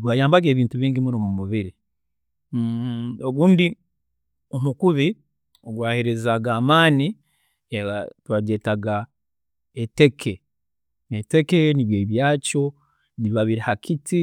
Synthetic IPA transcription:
ɡwaːjaːmbaɡe̞ːβiːntuβiːɲɟimuɾomumuβiɾi | o̞βuːndi | omukuβi | oɡwaːhiɾezaɡaːmaːni | eatwadje̞ːtaɡa | ete̞kʰe | ete̞ke̞niβjeːβjaːco̞ | βiβaβiɾihakʰiti

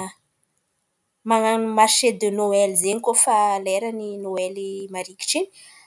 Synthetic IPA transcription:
maamaʃed̪inoelizeɲikofaleɾaninoelimaɾiki̥ʈ͡ʂini̥

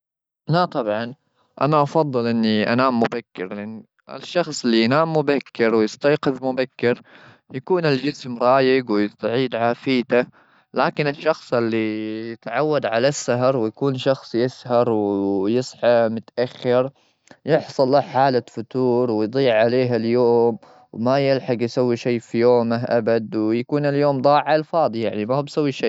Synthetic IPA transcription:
nat̪ˤɑbʕɑn | ʔa̰naʔɑfɑðˤːɨlʔɪnːiʔa̰naːmːʊbakːɪɾlɪʔanː | ɪ̰ʃːɑxsˤɪlːijanaːmːʊbakːɪɾwɪjɪst̪ajqɪðmʊbakːɪɾ | jakuːnɪld͡ʒɪsmɾˤɑːjɪɡwɪjɪst̪ʕiːd̪ʕaːfiːt̪a | laːkɪnɪʃːɑxsˤɪlːijɪt̪ʕawːad̪ʕalasːaɦɑɾˤwɪjakuːnʃɑxsˤjɪshɑɾˤwjɨsˤħɑmʊt̪ʔaxːɪɾ | jɪħsˤɑlːaħaːlafʊt̪uːɾˤwɪjd̪ˤiːʕʕaleːɦaljoːm | wmajɪlħɑɡjsawːiʃejːfijoːmaɦʔabad̪wjakuːnɪljoːmd̪ˤɑːʕalfɑːd̪ˤijaʕnimahbsawːiʃeː

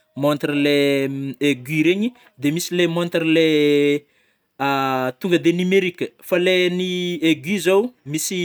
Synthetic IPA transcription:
mont̪rileeɡiɾeɲi | d̪emisilemont̪rle | at̪uŋɡəd̪enimeɾikʲəfalenieɡizowmisi

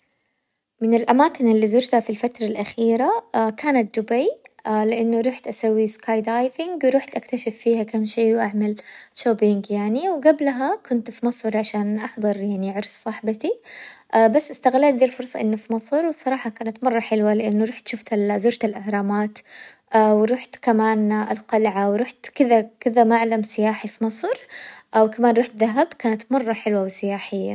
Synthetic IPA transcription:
mɪnɪlʔamaːkɪnʔɪlːiːzʊd͡ʒt̪hafilfat̪ɾˤɑlʔaxiːɾakaːnat̪̚d͡ʒ̪ʊbajalɪʔanːuɾˤuːħt̪ʔasawːiskaːjd̪ajvɪŋɡwɾuːħt̪ʔakt̪aʃɪfːiːhakamːʃiːwʔaʕmalʃoːbɪŋɡjaʕniwɡablɦakʊnt̪fimɑsˤɾʕaʃaːnʔɑħd̪ˤɨɾˤjaʕniʕɑɾˤssˤɑħbat̪iʔabasːʔɪst̪aɣlaːt̪̚d̪iːlfʊɾsˤɑʔɪnːufimɑsˤɾˤwsˤɑɾˤɑːħɑkaːnat̪mɑrˤːɑħɪlwalɪʔanːuɾˤuːħt̪ʃʊft̪alzʊːɾt̪alʔahɾˤɑːmaːt̪ʔawɾuːħt̪kamaːnʔalqɑlʕawɾˤuːħt̪kɪðakɪðamaʔaʕlamsɪjaːħifimɑsˤɾʔawkamaːnɾuːħt̪ðaɦabkaːnat̪mɑrˤːɑħɪlwawɪsɪjaːħɪjːa̰

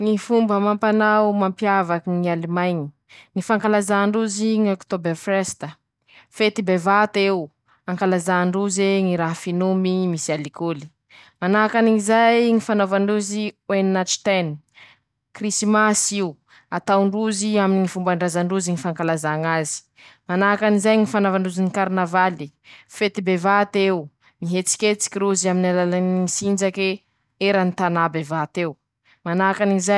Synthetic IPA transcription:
ŋifumbəmampanawmampjavakiŋialimajɲi̥ | ŋifaŋkalazaɳɖ͡ʐuziɲokt̪obefrest̪ə | fet̪ibevat̪ew | aŋkalazaɳɖ͡ʐuzeŋiɾaɦafinumimisialikuli̥ | manakaniizajŋifanovaɳɖ͡ʐuziwennat͡ʃi̥t̪en | krisimasiw | at̪awɳɖ͡ʐuziaminiŋifumbaɳɖ͡ʐazaɳɖ͡ʐuziɲifaŋkalazaŋazi̥ | manakanizajŋifanavaɳuzinikaɾnavali | fet̪ibevat̪ew | miɦet͡si̥kʲet͡si̥kʲiɾuzaminalalaniisind͡ʒake | eɾanit̪anabevat̪ew | manakaniiza

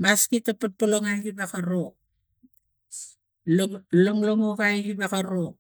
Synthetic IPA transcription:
maskitapat̚poloŋajkibakaɾo | loloŋloŋokajkibakaɾo

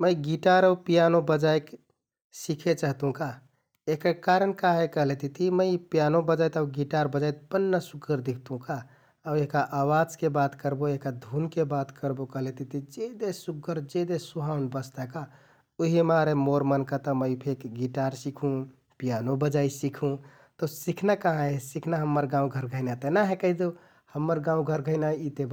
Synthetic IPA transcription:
məjɡiʈaɾapijanobəd͡ʒajk | sikʰet͡ʃəɦt̪ɦũka | ekəkaɾənkaɦekəɦlet̪ʰit̪ʰiməɪpijanobəd͡ʒajt̪aʊɡiʈaɾbəd͡ʒajt̪̚pənːəsuɡːəɾd̪ik̚ʰt̪ũkaː | weɦkaʔawad͡ʒkebat̪kəɾboeɦkad̪ʱunkebat̪kəɾbokəɦlet̪ʰit̪ʰid͡ʒed̪esuɡəɾd͡ʒed̪esuɦaunbəst̪aka | oɦimaɾemoɾmənkat̪əməipʰekɡiʈaɾsikʰũ | pjanobəd͡ʒaisikʰũ | t̪ɔsikʰnakaɦãesikʰnaɦəmːəɾɡãũɡʱəɾɡʱəɪnat̪ənaɦẽkəid̪o | həmːəɾɡãũɡʱəɾɡʱəɪnait̪eb

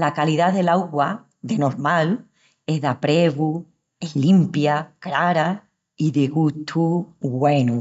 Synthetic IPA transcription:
lakaliðaðe̞laɣwa | d̪e̞no̞ɾmal | e̞ɦðapɾeβu | eslimpjakɾaɾa | iðeɣut̪ʰuɣwe̞nu

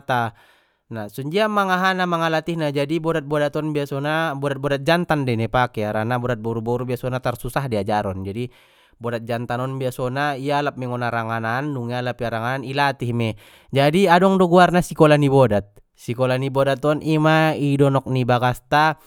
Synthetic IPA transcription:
t̪a | nasuɲd͡ʒiamaŋaɦanamaŋalat̪ihnad͡ʒadibɔdat̪̚bɔdat̪ɔnbiasɔnabɔdat̪̚bɔdat̪̚d͡ʒant̪andɛnɛpakɛaɾanabɔdat̪̚bɔɾubɔɾubiasɔnat̪arsusahdiad͡ʒaɾɔnd͡ʒadi | bɔdat̪̚d͡ʒant̪anɔnbiasɔnaialap̚mɛŋɔnaɾaŋananduŋialapiaɾaŋananilat̪ihmɛ | d͡ʒadiadɔŋdɔɡuarnasikɔlanibɔdat̪̚ | sikɔlanibɔdat̪ɔnʔimaidɔnɔk̚nibaɡast̪a

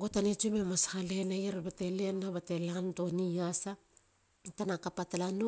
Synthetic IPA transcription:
ɡotanet͡ʃumemashalenajaɾbate̞lenaβate̞lanto̞niasa | tanakapatalano

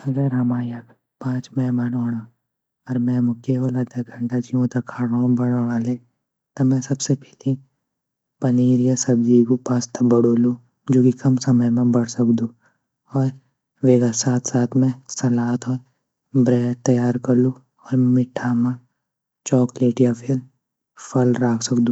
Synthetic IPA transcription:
ɐɡəɾɦɐmaːja | pãːt͡ʃmɛ̃manoːɽa | ɔɾmɛ̃mʊkeolad̪ɐɡʱə̃ɳʈad͡ʒiõt̪ɐkʰaːɽõbɐɽoːɽaːle | t̪ɐmɛ̃sɐbsepɛli | pɐniːɾijasɐbd͡ʒikopaːst̪ɐbɐɽoːlu | d͡ʒoːkikɐmsɐməjmẽbɐɽsɐkd̪ũ | ɔːɾ | ʋeːɡasaːt̪ʰsaːt̪ʰmɛ̃sɐlaːt̪ʰɔːɾ | bɾɛːt̪ɐjaːɾkɐɾlũ | ɔːɾmɪʈʰːamã | t͡ʃɔːkleːʈjapʰɪɾ | pʰɐlɾaːkʰsɐkd̪ũː

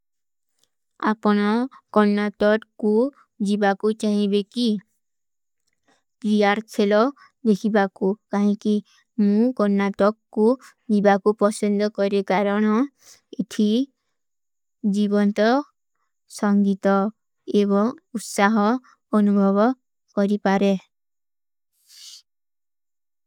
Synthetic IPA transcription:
apɔɽ̃ɔkɔnːat̪ɔɾku | d͡ʒibakut͡ʃaɦĩbeki | pɾijaɾt͡ʃʰelɔ | d̪ekʰibakukaɦĩki | mũkɔnːat̪ɔkku | d͡ʒibakupɔsɔnd̪ʱɔkɔɾekaɾɔɽ̃ɔ | et̪ʰi | d͡ʒibɔnt̪ɔ | sɔŋɡit̪ɔ | eβɔŋut̪saɦɔː | nubʱɔβɔ | kɔɾipaɾe

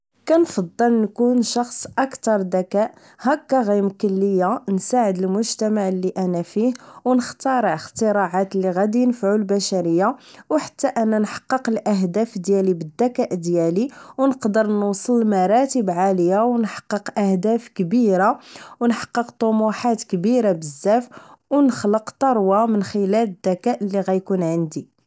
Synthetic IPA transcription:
kænfɑd̪ˤːəlnkunʃɑxsˤʔɑkt̪ɑɾˤd̪ækæʔ | hækːæɣijmkʊlːəjːansaʕəd̪əlmʊʒt̪æmaʕlːiʔænæfihwnəxt̪ɑɾˤəxt̪əɾɑʕat̪əlːiɣæd̪inəfʕulbæʃæɾəjːawħḁt̪ːæʔænːænħɑ̥qːəqəlʔæɦd̪æfd̪jælibəd̪ːækæʔd̪jæliwnəqd̪əɾˤnʊwsˤəlmɑɾˤɑt̪əbʕaləjawnħɑ̥qːəqʔæhd̪æfkbiɾawnħɑ̥qːəqt̪ˤomuħat̪kbiɾabəzːæfwnəxləqt̪ˤɑɾˤwɑmənxəlæləd̪ːækæʔlːiɣæjkunʕənd̪i

